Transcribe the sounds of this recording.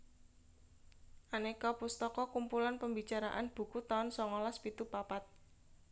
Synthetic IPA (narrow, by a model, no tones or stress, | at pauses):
ʔanekɔpust̪ɔkɔkumpulanpəmbit͡ʃaɾa̰ʔanb̥ṳkut̪ɔnsɔŋɔlaspit̪upapat̪̚